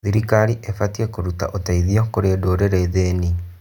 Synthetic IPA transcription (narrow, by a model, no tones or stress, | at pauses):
ðiɾikaɾiʔefatiekoɾuta̰ʔotaiðiɔkoɾeːdoːɾeɾeðeːni